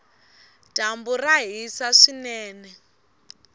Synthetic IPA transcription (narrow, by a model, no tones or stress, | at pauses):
d̥ʱamburaɦisaʂinɛːnɛ